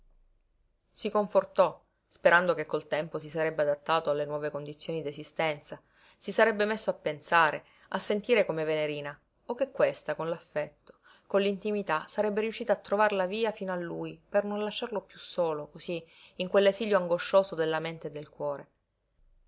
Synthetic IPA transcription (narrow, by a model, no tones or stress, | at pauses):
sikoɱfort̪ɔ | speɾand̪okekːolt̪ɛmpos̬isaɾɛbːead̪at̪ːaːt̪oalːenwɔːvekond̪it̪sːjoːnid̪esist̪ɛnt̪sa | sisaɾɛbːemesːoapːensaːɾe | asːent̪iːɾekomeveneɾiːna | ok̟ːekːwest̪akonlafːɛt̪ːo̥ | konlint̪imit̪asaɾɛbːeɾjuʃːiːt̪aːt̪ːɾovaɾlaviːafiːnoalːuːjpernõnlaʃːarlopjusːoːlokosiːŋkwelːesiːljoaŋɡoʃːoːsod̪elːament̪ed̪elkwɔːɾe